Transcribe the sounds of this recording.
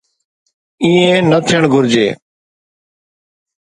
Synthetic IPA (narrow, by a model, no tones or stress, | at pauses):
ĩːẽːnət̪ʰɪjəɳɡʱʊɾd͡ʒḛː